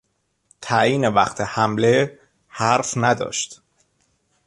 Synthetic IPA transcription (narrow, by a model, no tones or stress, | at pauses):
t̪ʰæjiːnevæχt̪ʰehæmle̞ | hæɾfnæd̪ɒ̰ːʃt̪